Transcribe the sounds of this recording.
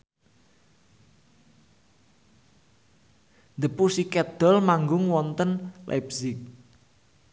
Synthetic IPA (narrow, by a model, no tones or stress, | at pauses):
nd̪əpusikɛd̪̥ɔ̤lmaŋɡʊŋwɔnt̪ənlʔa̰bzɪk̚